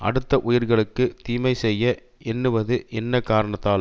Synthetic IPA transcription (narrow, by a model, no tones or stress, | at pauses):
ʔɐ̰ɽɯt̪ːɐʔʊjɪɾɣɐɭɯkːɯt̪iːmɐɪsɛjːɐ | ɛnːɯʋɐðɯʔɛnːɐkːaːɾɐɳɐt̪ːaːl